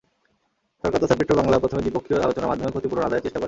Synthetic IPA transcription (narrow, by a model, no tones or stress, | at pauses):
ʃɔɾkaɾt̪osapɾiʈɾobɔŋlapɾot̪ʰomed̪ipokʰːioɾʔalot͡ɕonama̰d̪ʱːomekʰot̪ipuɾnonad̪aeɾt͡ɕeʃʈakoɾ